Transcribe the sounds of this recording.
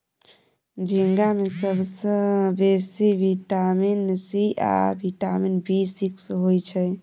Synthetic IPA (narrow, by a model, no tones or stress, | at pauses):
d͡ʒiŋɡamesəbsə̃besibʱiʈaminsia̰bʱiʈaminbʱisiksɦojt͡ʃʰɛ